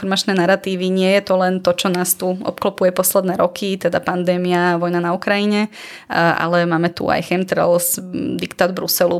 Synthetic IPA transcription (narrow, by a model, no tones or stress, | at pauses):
ɔɾmat͡ʃnɛːnaɾat̪iːʋiɲɪɛjɛt̪ɔlɛnt̪ɔt͡ʃɔnaːst̪uʔɔ̰pklɔpujɛpɔslɛd̪nɛːɾɔkʰit̪ɛd̪apand̪ɛːmiaʋɔjnanaukɾajiɲɛ | ʔa̰lɛmaːmɛt̪ṵa̰jxɛmt̪ɾɛ̰lsd̪ikt̪aːd̪bɾusɛlu